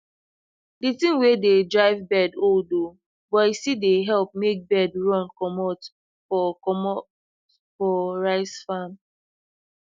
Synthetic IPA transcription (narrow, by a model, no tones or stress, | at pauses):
ditĩmwededɹaɪvbɛdoldo | bɔisideɦɛlp̚mek̚bɛdɹɔ̃nkɔmɔt | fɔmɔ | fɔɹaɪsfãm